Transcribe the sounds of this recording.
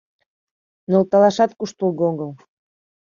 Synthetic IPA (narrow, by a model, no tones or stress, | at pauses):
nolt̪ɑlɑʃɑt̪kuʃt̪ulɣoɣəl